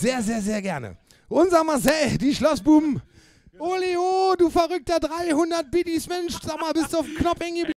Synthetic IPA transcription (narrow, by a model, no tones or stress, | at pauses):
z̥eːɐzeːɐzeːɐɡɛɐnə̰ | ʔʊnzɐmaɐsɛd̥iːʃlɔsb̥uːbm̩ | ʔoːleoduːfɛʁʏk̚tɐdʁaɪhʊndɐt̚b̥ɪdismɛnʃz̥aːmaːlbɪstduaʊfm̩knɔp͡ffɪnɡəbl